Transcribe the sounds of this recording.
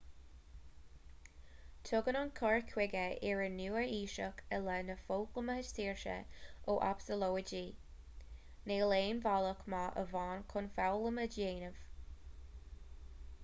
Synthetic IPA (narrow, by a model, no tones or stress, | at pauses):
tʰʊɡənʊnkʰɔɹkʰwɪɡəɪɹənuːəiːʃəkʰəlɛnəfoːkləməhəʃtʰiːɹʃə̰ʔoːʔa̰psəloːəd͡ʒiː | neːleːnvaləkmaʔə̰vɑːnkʰʊnfawləmədjeːnəv̥